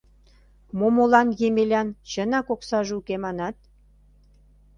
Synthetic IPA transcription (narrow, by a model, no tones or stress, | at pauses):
momolɑnjemelʲɑnt͡ɕə̆nɑkoksɑʒeukemɑnɑt̪̚